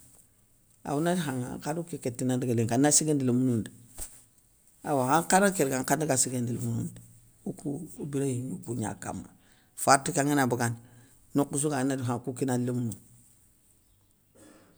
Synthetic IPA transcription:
a̰wunadiɦaŋa̰ŋkanukiketːinandiɡaleŋkanasiɡendilomunundi | awahaŋkanakeɾɡaŋkandiɡasiɡendilomunundi | ukubiɾajiɲukuɲa̰ka̰ma̰ | fatːukaŋinabuɡan | nokːus̬uɡanadiɦaŋkukinadlomunu

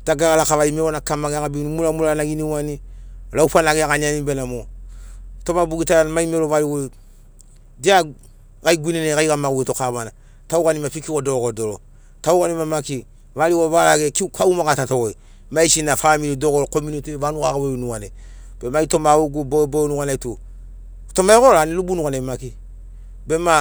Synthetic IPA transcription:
taɡaɣalakaʋaimeɾonakamaɡeakabinumulamulanaɡiniwanilauɸanaɡeakaɲanibenamo | tomabuɡitalamaimeɾovaliɡo | dia | kaiɡʷininekaikamaɡuɡitokaβana | taukanimafikikodokodolo | taukanimamaki | valiovalaɡekikaumakatatokoi | maisinafamilidokoɾkomunitivanukakawonukaneb̥emaitomawoɡubobonukanaito | tomaikolanilubunukanemaki | bema

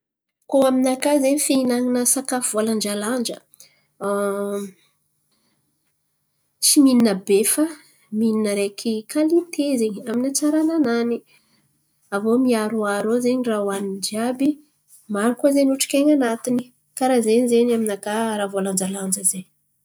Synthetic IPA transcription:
koaminakazeɲifiinaŋinəsakafuvoland͡ʒaland͡ʒə | t͡simininəbefə | mininəɾekʰikʰalit̪ezeɲaminat͡saɾananani | avomiaɾuaɾozeɲirawanid͡ʒabi | maɾukuzenuʈ͡ʂi̥kʲeɲanat̪ini | kaɾazeɲizeɲaminakaɾavoland͡ʒaland͡ʒəzeɲ

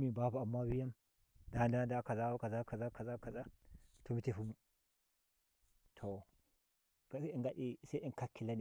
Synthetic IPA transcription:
mibabuamːabijam | dandandakazakazakazakazakazatomiteɸumu | tʰo | iɡaɗisaʔiŋkakːilani

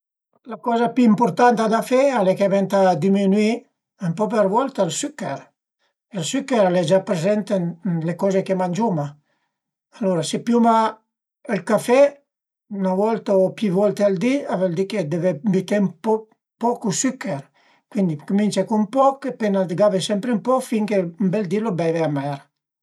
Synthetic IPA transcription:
lakɔzapyimpuɾt̪ant̪ad̪afɛalekevɛnt̪ad̪iminwi | empɔp̬eɾvɔlt̪aelsykɛɾ | elsykɛɾaled͡ʒapɾezɛnt̪enlekɔzekemanʲd͡ʒuma | aloɾasepjuma | elkafɛ | navɔlt̪aopjivɔlt̪eald̪iavɛld̪iked̪evebit̪empɔ | pɔkusykːɛɾ | kwind̪ikumint͡ʃakumpɔkepenaɡavesɛmpɾempɔfiŋkembɛld̪ilobɛveamɛɾ

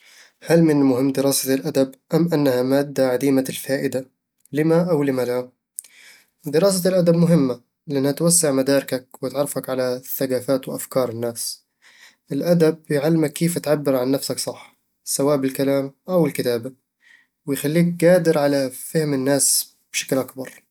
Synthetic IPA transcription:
halmɪnɪlmʊhɪmːd̪ɪɾɑːsalʔad̪abʔamʔanːahamaːd̪ːaʕad̪iːmalfaːʔɪd̪a | lɪmaʔawlɪmala | d̪ɪɾɑːs̬alʔad̪abmʊɦɪmːa | lɪʔanːhat̪wasːɪʕmad̪aːɾɪkak̚wɪt̪ʕɑrˤːɑfakʕalaθːaɡaːfaːt̪wɪʔafkɑːɾˤɪnːaːs | ʔɪlʔad̪ab̚jʕalːɪmakːeːfʔat̪ʕabːɪɾʕanːafsaksˤɑħː | sawaːʔbɪlkalaːmʔawɪlkɪt̪aːba | wɪjxalːiːk̚ɡaːd̪ɪɾʕalafɪhmɪnːaːs | b̥ʃḁklʔakbɑɾˤ

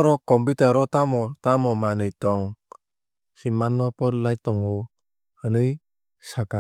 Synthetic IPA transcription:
ɾɔkɔmpit̪aɾɔt̪amɔt̪amɔmanɯjt̪ɔŋ | simanːɔpɔɾlajt̪ɔŋɔ | hənɯj | saka

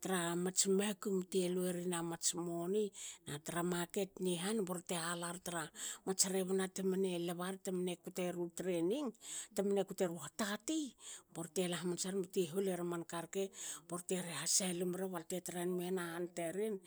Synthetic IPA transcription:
taɾamat͡ʃmekumtelueɾinamat͡ʃmoninataɾamake̞tniɦanboɾtealaɾtaɾamat͡ʃaɾeβanatemane̞leβaɾtemanekuteɾutɾeniŋtemanekuteɾuhatatiboɾtelaɦmant͡ʃaɾmatiɦuleɾamankaɾke̞b̥oɾteɾehasalumɾeβaltetaɾanmenahanteɾin

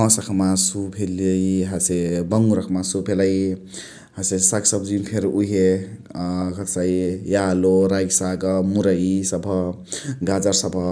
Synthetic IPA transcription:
ɔ̃sʌkʰmasupʰeləiɦasebʌŋuɾʌkʰmasupʰelaj | hasesaksʌbd͡zimpʰeɾuɦe | kʰʌt̪sajjaloɾaɡisaɡʌmuɾaisʌbʱʌɡad͡zaɾsʌbʱʌ

